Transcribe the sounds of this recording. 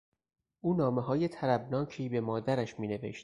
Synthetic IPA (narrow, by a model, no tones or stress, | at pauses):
ʔuːnɒːme̞ɦɒːje̞t̪ʰæɾæbnɒːcʰiːbe̞mɒːd̪æɾæʃmiːne̞vḛʃt̪